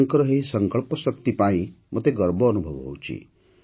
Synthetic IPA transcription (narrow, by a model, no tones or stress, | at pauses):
ŋkɾɔɦeisəŋkəɭpɔsəkt̪ipaĩ | mɔt̪eɡəɾbʱɔːnubʱɔʋɦo̰wt͡ʃḭ